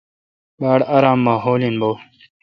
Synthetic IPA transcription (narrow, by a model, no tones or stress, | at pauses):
baːɽaɾaːmːaːɦoːlinboː